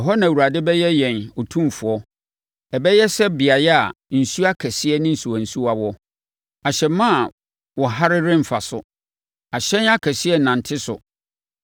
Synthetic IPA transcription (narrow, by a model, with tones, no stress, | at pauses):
ɦɔ˦nã˨wu˨ɾa˨dɪ˦bɛ˦jɛ˦jɛ̃˨no˨tʰũ˦mfʊ˨ɔ˦ | ɛ˨bɛ˦jɛ˦sɛ˦bɪ˨a˨jɛ˦a˨n̩˨su˦a˦kʰɛ˨sɪ˦ɛ˦nɪ̃˦n̩˨su˨wã˨n̩˨su˦a˨wɔ˦ | a˨ɕɛ˨mã˦a˨ | wɔ˨ɦa˦ɾɪ˦ɾɪ̃˦m̩˨fa˨sʊ̰˨ | a˨ɕɛ̃˦na˦kʰɛ˨sɪ˦ɛ˦nã˨n̩˨tʰɪ˦sʊ̰˨